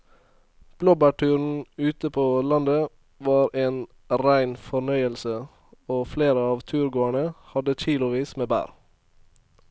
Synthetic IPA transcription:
b̥loːbæːʈʉːɾn̩ʉːt̪əpʰoːlɑnd̪ə | ʋɑːɾeːn | ɾæɪnfɔɳœʏəlsə | oːfleːɾəɑːʋt̪ʰʉːɾɡoːæɳəhɑd̪əc͡çiːlʊʋiːsmeːbæ̰ːɾ

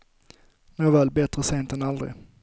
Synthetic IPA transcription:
noːvɛːlbɛt̪ɾəseːnt̪ɛnald̪ɾɪ̰

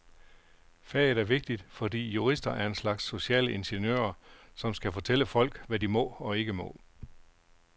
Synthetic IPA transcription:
fæɐɪðˠæɐʋe̝ɡ̥̚d̥id̥fɒ̽dḭːjuʁisd̥ɐʔæɐe̝nslɑ̈ɡ̥sːo̝ɕɛ̰ːləʔe̝nɕenjø̰ːɐsɒ̽msɡ̥æfɒ̽t͡sʰeləfɒ̽l̰ɡ̥ʋædimɒ̰̽ːɒ̽e̝ɡ̥əmɔ̰̽ː

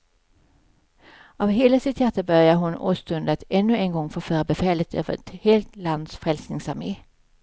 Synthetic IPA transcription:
ʔɑːʋɦeːləsɪt̪jæt̪əbœʁjəɦʊno̰ːst̪ʉnd̪ət̪ɛnːʉeːnɡɔŋːfoːføːɾəbɛfɛːlət̪ʰø̰ːʋə̰ʁɛt̪heːlt̪lɑnd̪sfʁɛlsnɪŋsɑmeː

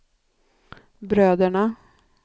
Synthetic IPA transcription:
bɾøːd̪əɳa

